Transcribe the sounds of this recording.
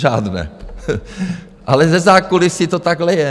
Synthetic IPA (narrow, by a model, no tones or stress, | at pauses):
ʒaːd̪nɛ̰ | ʔalɛzɛzaːkolɪsit̪ot̪aɡlɛjɛ